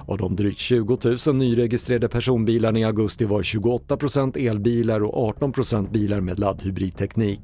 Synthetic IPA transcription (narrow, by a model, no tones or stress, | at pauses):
ɔ̰d̪ɔmd̪ɾyːkt̪ɕʉ̟ːɡʊt̪ʰʉ̟ːsənːyːɾɛɡɪst̪ɾeːaɖ̪əpʰæʂuːnbiːlaɳɪaɡɵst̪ɪvɑːɾɕʉ̟ːɡʊɔt̪ːapʰɾʊsɛnt̪eːlbiːlaɾɔ̰kɑːʈɔnpʰɾʊsɛnt̪̚biːlaɾmḛːd̪lad̪hɵbɾiːd̪̚t̪ʰɛkniːk